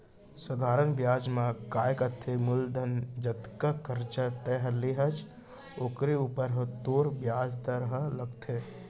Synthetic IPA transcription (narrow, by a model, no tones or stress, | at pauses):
səd̪ʱaɾənbjad͡ʒmãkajkət̪ʰemʊld̪ʱənd͡ʒət̪kakəɾt͡ʃat̪ɛɦleɦəd͡ʒ | oːkɾeuːpəɾɦət̪oɾbjad͡ʒd̪əɾɦə̃ləɡt̪ʰe